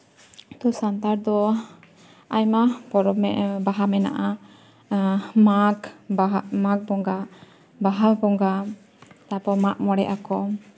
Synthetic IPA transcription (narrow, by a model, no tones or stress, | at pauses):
t̪usant̪aɾd̪ɔ | ajmapɔɾɔmɛbaɦamɛna̰ʔa | makamak̚bɔŋɡa | baɦalbɔŋɡa | t̪apɔmaʔmɔɽɛ̰ʔakɔ